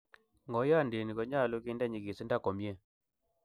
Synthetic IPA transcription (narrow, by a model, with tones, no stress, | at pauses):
ŋɡɔ˨˦ja˦˨nde˨ni˨kɔ˨˦ɲa˦˨lo˦ki˦nda˦˨ɲi˨ki˨si˦nda˦˨kɔ˨mje˦˨